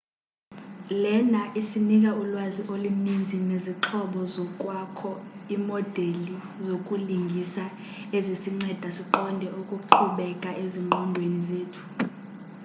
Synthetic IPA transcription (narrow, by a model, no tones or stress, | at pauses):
lɛnaʔisinik̬ʼaulwaziʔolinind͡zʱineziǁʰɔɓɔzɔk̬ʼwakʰɔimɔd̥ʱeli | zokʼuliŋɡʱisa | ezisiŋ͡ǀɛd̥ʱasiǃɔndʱɛʔukʼuǃʰuɓɛkʼaʔeziŋŋ͡ǃʱɔndʱwenizeːtʰu̥